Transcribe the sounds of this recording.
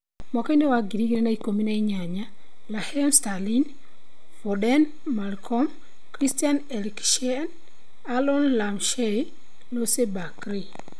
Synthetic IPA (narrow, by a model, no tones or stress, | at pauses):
mɔkɔinewaɡiɾiɡiɾenaikomineiɲaɲa | lahɛmstalin | fɔdɛn | malkʰɔm | kɾistianɛlkʃn | alɔnlamʃej | losebakɾi